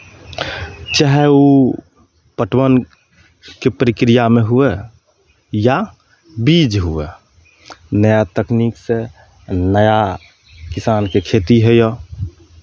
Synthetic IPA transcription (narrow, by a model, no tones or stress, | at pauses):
t͡ʃaɦɛu | pəʈʰwən | kepɾikɾijameɦue | ja | bid͡ʒɦue | nəjat̪əknikse | nəja | kisaːnkekʰet̪iɦɛjo